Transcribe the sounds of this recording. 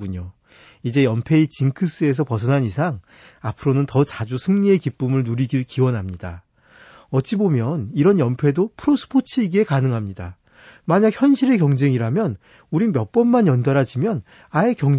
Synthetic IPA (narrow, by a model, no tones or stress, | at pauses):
uɲo | id͡ʑe̞jʌmpʰe̞it͡ɕiŋkʰɯs͈ɯe̞s̬ʰʌpʌs̬ʰʌnanisʰaŋ | apʰɯɾonɯntʌt͡ɕad͡ʑusʰɯŋɲie̞kip͈ɯmɯɭnuɾiɡiɭkiwʌnɦamɲida | ʌtt͡ɕ͈ʰibomjʌniɾʌnjʌmpʰe̞dopʰɯɾosʰɯ̥pʰot͡ɕʰiːɡe̞kanɯŋɦamɲida | maɲak̚çjʌnɕʰiɾe̞kjʌŋd͡ʑe̞ŋiɾamjʌn | uɾimjʌp͈ʌnmanjʌndaɾad͡ʑimjʌn | ae̞kjʌŋ